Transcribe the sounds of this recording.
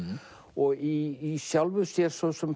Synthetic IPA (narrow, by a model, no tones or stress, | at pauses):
ɔɣiːsjawlvʏsjɛɾ̥svɔðsɛm